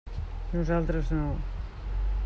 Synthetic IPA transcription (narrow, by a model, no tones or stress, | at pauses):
nuzalˠt̪ɾɐznɐ̃w̃